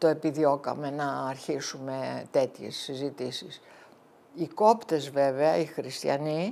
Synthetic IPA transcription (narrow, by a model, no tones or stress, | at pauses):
t̪oe̞piðio̞kɐ̰me̞nɐːɾçisume̞t̪e̞t̪çe̞̰sːizit̪isis | iko̞pt̪e̞zve̞veɐixɾist̪çɐ̰ni